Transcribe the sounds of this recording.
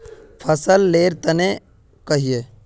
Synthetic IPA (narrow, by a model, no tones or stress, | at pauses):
pʰəsəlːeːɾt̪ɐne | kɐɦijeː